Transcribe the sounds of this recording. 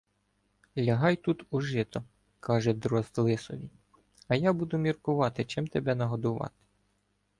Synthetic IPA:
lʲɐɦɑjt̪ut̪uʒɪt̪ɔ | kʰɑʒɛd̪ɾɔzt̪lˠɪsɔʋʲi | ɐjɑbud̪ʊmʲirkʊʋɑt̪ɪt͡ʃɪmt̪ebɛnɐɦɔd̪ʊʋɑ̰t̪ɪ̥

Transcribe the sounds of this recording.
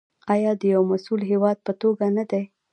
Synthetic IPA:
ɑjɑd̪əjawmasulɦewɑd̪̚pət̪oɡanad̪aj

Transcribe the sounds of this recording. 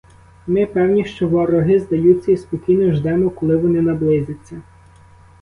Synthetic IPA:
mɪpɛwnʲiʃt͡ʃɔʋɔɾɔɦɪzd̪ɐjut͡sʲːɐispɔkʲijnɔʒd̪ɛmɔkɔlˠɪʋɔnɪnɐblˠɪzʲɪt͡sʲːɐ

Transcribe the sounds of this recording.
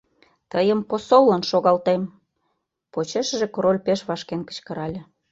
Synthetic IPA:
t̪əjəmposolːənʃoɣɑlt̪em | pot͡ɕeʃə̆ʒĕkoɾolʲpeʃβɑʃkenkə̥̆t͡ɕkə̆ɾɑlʲĕ

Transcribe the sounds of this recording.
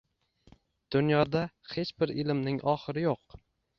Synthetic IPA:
d̪̥ʊnjɒd̪a | he̞t͡ʃbɪɾɪlmnɪŋʔɒχɨɾɪjoq

